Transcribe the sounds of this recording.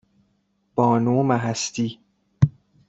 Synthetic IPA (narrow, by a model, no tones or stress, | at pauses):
b̥ɒːnuːmæɦæst̪iː